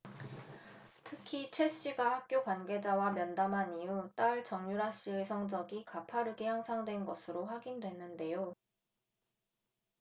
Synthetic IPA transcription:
tʰɯkʰit͡ɕʰwe̞ɕ͈iɡahak̚k͈jokwanɡe̞d͡ʑawamjʌndamɦaniut͈aɭt͡ɕʌŋɲuɾɦaɕ͈iɯsʰʌŋd͡ʑʌɡikapʰaɾɯɡehaŋsʰaŋdwe̞nɡʌsʰɯɾoɸwaɡindwe̞nːɯnde̞jo

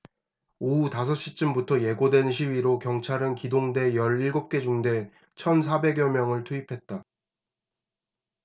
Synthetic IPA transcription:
outas̬ʰʌɕ͈it͡ɕ͈ɯmbutʰʌje̞ɡodwe̞nɕ̬ʰiwiɾokjʌŋt͡ɕʰaɾɯnkidoŋde̞jʌɾiɭɡop̚k͈e̞d͡ʑuŋde̞ | t͡ɕʰʌns̬ʰabe̞ɡjʌmjʌŋɯɭtʰuipʰe̞t̚t͈a

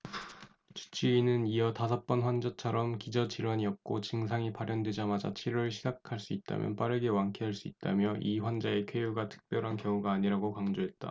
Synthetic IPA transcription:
t͡ɕu̥t͡ɕʰiːnɯniʌtasʰʌp͈ʌnɸwand͡ʑat͡ɕʰʌɾʌmkid͡ʑʌt͡ɕiɾwaɲiʌp̚k͈ot͡ɕɯŋs̬ʰaŋipaɾjʌndwe̞d͡ʑamad͡ʑa̰t͡ɕʰiɾoɾɯɭɕʰid͡ʑakʰaɭs͈uit̚t͈a̰mjʌ̰np͈aɾɯɡe̞waŋkʰeɦaɭs͈uit̚t͈a̰mjʌʔiɸwand͡ʑaekʰejuɡatʰɯ̥k̚p͈jʌɾɦankjʌŋuɡaːɲiɾaɡokaŋd͡ʑoɦe̞t̚t͈a̰

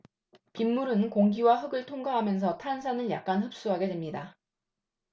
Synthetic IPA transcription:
pimːuɾɯnkoŋɡiwaɦɯɡɯɭtʰoŋɡaɦamjʌns̬ʰʌtʰansʰanɯɭja̰k̚k͈anɦɯp̚s͈uɦaɡe̞dwe̞mɲida

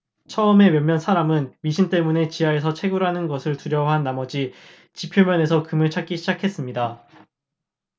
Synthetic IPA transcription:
t͡ɕʰʌɯme̞mjʌmːjʌnsʰaɾamɯnɥiɕʰint͈e̞mune̞t͡ɕiɦae̞s̬ʰʌt͡ɕʰe̞ɡuɾɦanɯnɡʌsʰɯɭtuɾjʌwaɦanːamʌd͡ʑi | t͡ɕipʰjomjʌne̞sʰʌkɯmɯɭt͡ɕʰak͈iɕʰid͡ʑakʰe̞s͈ɯmɲida

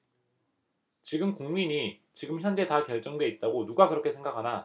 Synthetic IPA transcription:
t͡ɕiɡɯmkoŋmiɲi | t͡ɕiɡɯmçjʌnd͡ʑe̞takjʌɭt͡ɕ͈ʌŋdwe̞it̚t͈aɡonuɡakɯɾʌkʰe̞sʰŋɡakʰana

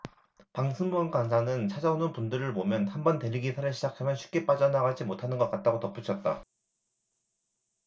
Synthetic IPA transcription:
paŋsʰɯmbuʌnkwansʰanɯnt͡ɕʰad͡ʑaonɯnpundɯɾɯɭmomjʌnhanbʌnte̞ɾiɡisʰaɾɯɭɕʰid͡ʑakʰamjʌnɕʰi̥p̚k͈e̞p͈ad͡ʑanaɡad͡ʑimotʰanɯnɡʌk͈at̚t͈aɡotʌp͈ut͡ɕʰʌt̚t͈a

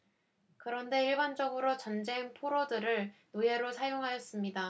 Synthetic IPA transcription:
kɯɾʌnde̞iɭband͡ʑʌɡɯɾot͡ɕʌnd͡ʑe̞ŋpʰoɾodɯɾɯɭnoe̞ɾosʰajoŋɦajʌs͈ɯmɲida

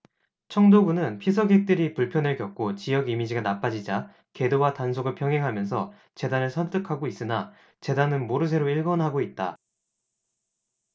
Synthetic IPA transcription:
t͡ɕʰʌŋdoɡunɯnpʰis̬ʰʌɡek̚t͈ɯɾipuɭpʰjʌnɯɭkjʌk̚k͈ot͡ɕijʌɡimid͡ʑiɡanap͈ad͡ʑid͡ʑa | ke̞dowatansʰoɡɯɭpʰjʌŋɦeŋɦamjʌnsʰʌ̰ | t͡ɕe̞danɯɭsʰʌnt͈ɯkʰaɡois͈ɯna | t͡ɕe̞danɯnmoɾɯs̬ʰe̞ɾoiɭɡʌnɦaɡoit̚t͈a̰

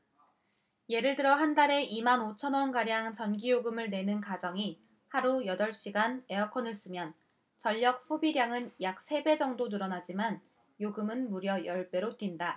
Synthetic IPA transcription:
je̞ɾɯɭtɯɾʌɦandaɾe̞ʔimanot͡ɕʰʌnwʌnɡaɾjaŋt͡ɕʌnɡijoɡɯmɯɭne̞nɯnkad͡ʑʌŋi | haɾujʌdʌɭɕ͈iɡane̞ʌkʰʌnɯɭs͈ɯmjʌn | t͡ɕʌʎːʌk̚pʰobiɾjaŋɯnjak̚s͈ʰe̞be̞d͡ʑʌŋdonɯɾʌnad͡ʑiman | joɡɯmɯnmuɾjʌjʌɭpe̞ɾotɥinda

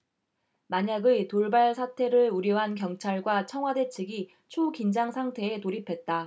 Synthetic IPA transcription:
maɲaɡɯtoɭbaɭs̬ʰatʰe̞ɾɯɭuɾjʌɦank̬jʌŋt͡ɕʰaɭɡwat͡ɕʰʌŋɦwade̞t͡ɕʰɯɡi | t͡ɕʰukind͡ʑaŋsʰaŋtʰe̞ːtoɾipʰe̞t̚t͈a

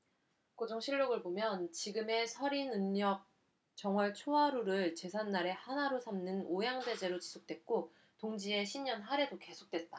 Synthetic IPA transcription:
kod͡ʑoŋɕʰiʎːoɡɯɭbomjʌnt͡ɕiɡɯme̞sʰʌɾinɯɲɲʌk̚ | t͡ɕʌŋwʌɭt͡ɕʰoaɾuɾɯɭt͡ɕe̞sʰanːaɾe̞hanaɾosʰamnɯnojaŋde̞d͡ʑe̞ɾot͡ɕi̥sʰok̚t͈we̞t̚k͈o | toŋd͡ʑie̞ɕʰimɲʌnɦaɾe̞doke̞sʰok̚t͈we̞t̚t͈a

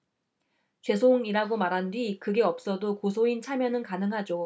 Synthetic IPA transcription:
t͡ɕwe̞sʰoŋiɾaɡomaɾɦandwikɯɡe̞ʌp̚s͈ʌdokosʰoint͡ɕʰamjʌnɯnkanɯŋɦad͡ʑo

